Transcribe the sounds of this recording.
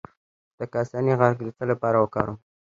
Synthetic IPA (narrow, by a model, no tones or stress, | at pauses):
d̪̥əkasɑniɣaɾɡd̪ət͡səlapɑɾawəkɑ̰ɾu